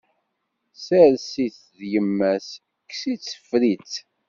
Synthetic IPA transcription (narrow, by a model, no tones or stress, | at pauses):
sæɾsiθ | ðjəmːæs | ksit͡sːə̥fɾit͡s